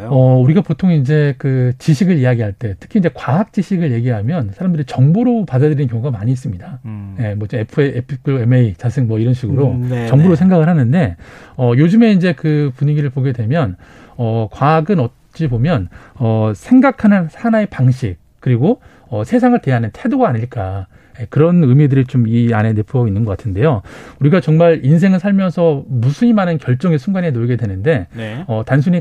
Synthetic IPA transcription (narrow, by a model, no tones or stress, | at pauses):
ʌuɾiɡapotʰoŋind͡ʑe̞kɯt͡ɕiɕʰiɡɯɭijaɡiɦaɭt͈e̞tʰɯ̥kʰind͡ʑe̞kwaɦak̚t͡ɕ͈iɕʰiɡɯɭje̞ɡiɦamjʌnsʰaɾamdɯɾit͡ɕʌŋbuɾopadadɯɾinɯnkjʌŋuɡamaɲiːs̬͈ɯmɲidaje̞mwʌd͡ʑmepʰɯepʰkʰoemeit͡ɕasʰɯŋmwʌiɾʌnɕʰiɡɯɾot͡ɕʌŋbuɾosʰe̞ŋɡaɡɯɭhanɯnde̞ʌjod͡ʑɯme̞ind͡ʑe̞kɯpuɲiɡiɾɯɭpoɡe̞dwe̞mjʌn | ʌkwaɡɯnʌt̚ | t͡ɕ͈ibomjʌnʌsʰe̞ŋɡakʰanɯnhanae̞paŋɕʰik̚k͈ːɯɾiɡo | ʌsʰesʰaŋɯɭte̞ɦanɯntʰe̞doɡaːɲiɭk͈a | ekɯɾʌnɯmidɯɾit͡ɕomiane̞ne̞pʰuʌɡoinːɯnɡʌk͈atʰɯnde̞jouɾiɡat͡ɕʌŋmaɾins̬ʰe̞ŋɯɭsʰaɭmjʌnsʰʌmusʰuɲimanɯnkjʌɭt͡ɕ͈ʌŋesʰuŋɡanenoɭɡe̞dwe̞nɯnde̞ʌtansʰuɲi